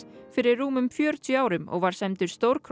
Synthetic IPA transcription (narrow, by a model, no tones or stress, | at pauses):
fɪɾɪːuːmʏmfjœːɾt̪ʰjaːwɾʏmɔ̰ɣvaɾ̥sɛmt̪ʏɾ̥st̪owɾkʰ